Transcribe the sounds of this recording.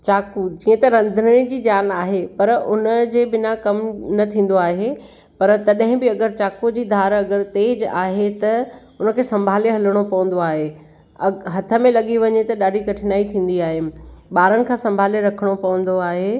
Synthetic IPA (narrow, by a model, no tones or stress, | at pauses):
t͡ɕaːkud͡ʑĩːə̃t̪ɐɾɐ̃nd̪ʱənɽ̃id͡ʑiːd͡ʑaːnaːɦepɐɾʊnəd͡ʑeːbɪnakɐmnɐt̪ʰĩːn̆d̪oaːɦe | pɐɾt̪ɐɗɦɪ̃bɪɐɡəɾt͡ɕaːkud͡ʑiːd̪ʱaːɾɐɡəɾt̪eːd͡ʑa̰ːɦet̪ɐ | ʊnə̆kʰeːsɐ̃mbʱaːleɦɐləɽ̃opɐʋə̃n̆d̪oaːɦe | ɐɦɐt̪ʰə̆mẽlɐɠiʋɐɲet̪ɐɗaːɖikɐʈʰɪnaːit̪ʰĩːn̆d̪iaːɦeɓaːɾənɪ̆kʰãːsɐ̃mbʱaːleɾɐkʰəɽ̃opɐʋə̃nd̪oaːɦeː